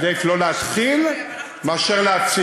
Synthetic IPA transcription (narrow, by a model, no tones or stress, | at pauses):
d̪eklo̞leat̪χil | meaʃeʁleat͡s